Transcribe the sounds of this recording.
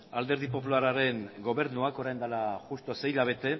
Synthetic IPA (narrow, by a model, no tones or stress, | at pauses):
ald̪e̞ɾðipo̞pulaɾaɾe̞ŋɡo̞βe̞ɾnuako̞ɾajnd̪alaʝust̪o̞se̞jʎaβ̞e̞t̪e̞